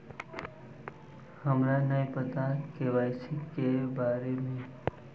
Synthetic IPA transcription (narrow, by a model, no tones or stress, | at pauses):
həmɾanəj̃pət̪akeʋajt͡ʃʰikebaɾemẽ